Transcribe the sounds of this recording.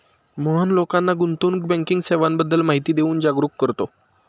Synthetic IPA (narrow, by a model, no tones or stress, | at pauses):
məɦənlokanːaɡunt̪uːnkbɛ̃ŋkiŋɡseʋambəd̪ːəlmaɦit̪iːd̪euːnd͡ʑaɡɾukːəɾt̪o